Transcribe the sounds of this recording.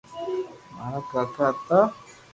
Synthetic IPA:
maɾakakat̪a

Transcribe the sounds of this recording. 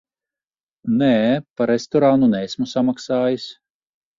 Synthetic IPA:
nɛːpaɾest̪ɔɾanunɛːsʲmusamaksaːjis

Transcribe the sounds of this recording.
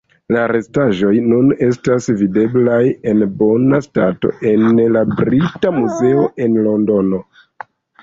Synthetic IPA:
laɾe̞staʒo̞jnune̞stasvide̞blaje̞nbo̞nastato̞̰ʔe̞nlabɾitamuze̞o̞ʔe̞nlo̞ndo̞no̞

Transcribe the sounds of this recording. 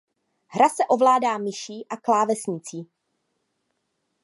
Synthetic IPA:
ɦɾasɛʔo̞vlaːdaːmɪʃiːʔaklaːvɛsɲɪt͡siː

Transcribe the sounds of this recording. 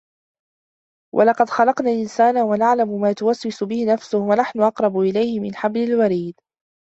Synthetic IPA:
wʔa̰lɑqɑd̪xɑlɑqnaːlʔɪnsaːnawanaʕlamʊmaːt̪ʊwaswɪsʊbɪhɪnafsʊhwanaħnʊʔɑqɾˤɑbʊʔɪlajhɪmɪnħablɪlwaɾiːd̪

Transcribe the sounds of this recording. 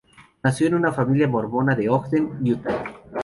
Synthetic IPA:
nasjoenunafamiljamo̞ɾmo̞naðeokðenjut̪a

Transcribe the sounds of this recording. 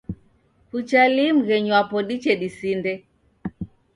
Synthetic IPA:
kut͡ʃalim̩ɣɛɲwapɔɗit͡ʃɛɗisindɛ

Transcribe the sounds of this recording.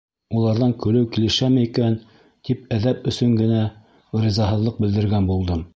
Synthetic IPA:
ulˠɑɾðɑŋkɵ̆lɘwkilɘ̆ʃæmɘikæn | t̪ip̚æðæpɵ̆sɵŋɡɘ̆næ | rizɑɦɤ̆ðlˠɤq̚bɘ̆ld̪ɘ̆ɾɡænbulˠd̪ɤm

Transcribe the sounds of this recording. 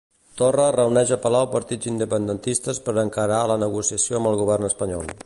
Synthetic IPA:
t̪orərəunɛʒəpəlawpəɾt̪id͡zind̪əpənd̪ənt̪ist̪əspəɾəŋkəɾalənəɣ̞usiəsioəmbəlˠɣuβ̞ɛrnəspəɲɔlˠ

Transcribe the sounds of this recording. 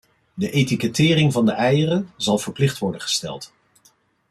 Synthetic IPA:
dəʔetikətɪːrɪŋvɑndəʔɛjərəzɑlˠv̥əɹplɪχtʋɔɹdənχə̥stɛ̰lˠt

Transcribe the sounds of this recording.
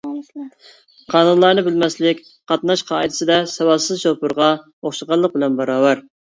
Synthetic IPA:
qʰɑːnunlˠɑɾnɨbɪlmɛslɪkʲ | qʰɑt̪nɑʃqʰɑːid̪ɨ̥sɨd̪ɛsɛwɑlˠsɨzʃopʊɾʁɑ | oχʃəʁɑlˠːəq̚bɪlɛnbɑɾɑːwæɾ

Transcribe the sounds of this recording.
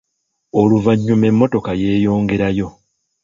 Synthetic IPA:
oluvaɲːume̞mːo̞to̞kaje̞ːjo̞ːŋɡe̞ɾajo̞

